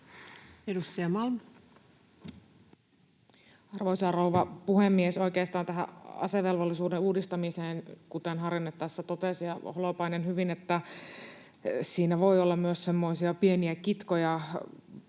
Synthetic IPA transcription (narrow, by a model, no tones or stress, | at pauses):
edust̪ɑjɑmɑlm | ɑrʋoisɑrouʋɑpuhemːieso̞ikeːst̪ɑːnt̪æɦæ̰ɑ̰seʋelʋolːisuːdeuːdist̪ɑmiseːnkut̪enɦɑrjinːet̪ːæsːæt̪ot̪esijɑholopɑinenhyʋinet̪ːæ | siːnæʋo̞ijolːɑmmyøssemːoisiɑpieniækit̪kojɑ